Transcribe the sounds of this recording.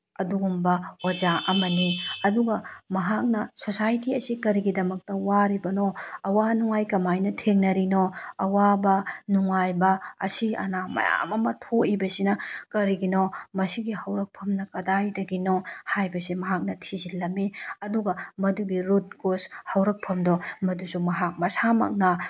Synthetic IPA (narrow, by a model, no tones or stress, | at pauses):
ɐduɡumbɐozaʔɐmɐniɐduɡɐmɐɦak̚nɐsosajtiɐsikɐɾiɡidɐmɐk̚tɐwaɾibɐnoɐwanuŋajkɐmajnɐtʰeŋnɐɾinoɐwabɐnuŋajbɐɐ̰siɐ̰namɐ̰ja̰mɐmɐtʰoibɐsinɐkɐɾiɡinɔmɐsiɡihɐwɾɐk̚pʰɐmnɐkɐdajdɐɡinɔhajbɐsimɐɦak̚nɐtʰizilːɐmːiɐduɡɐmɐduɡiɾut̚ɡoshɐwɾɐk̚pʰɐmdɔmɐdusumɐɦak̚mɐsamɐ̰k̚nɐ